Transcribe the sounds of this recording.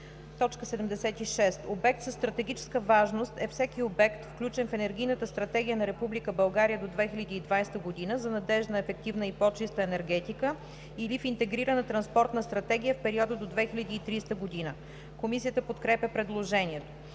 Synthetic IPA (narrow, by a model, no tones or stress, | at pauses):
t̪ɔt͡ʃkəsɛd̪ɛmd̪ɛsɛt̪iʃɛst̪obɛk̚t̪zəst̪ɾɐt̪ɛɡ̟ʲit͡ʃɛ̥skəvaʒnost̪ɛfsɛkiobɛkt̪fklʲut͡ʃɛnfɛnɛɾɡʲijnət̪əst̪ɾɐt̪ɛɡʲijənɐɾɛpublikəbɐlˠɡaɾijəd̪od̪vɛxilʲəd̪iːd̪vajst̪əɡod̪inəzɐnɐd̪ɛʒnəɛfɛk̚t̪ivnəipɔt͡ʃist̪əɛnɛɾɡɛt̪ikə | ilifint̪ɛɡɾiɾənət̪ɾɐnspɔɾt̪nəst̪ɾɐt̪ɛɡ̟ʲijəfpɛɾiɔd̪əd̪od̪vɛxilʲɐd̪iːt̪ɾist̪əɡod̪inə | komisiət̪əpot̪kɾɛpʲjəpɾɛd̪lˠoʒɛniɛt̪o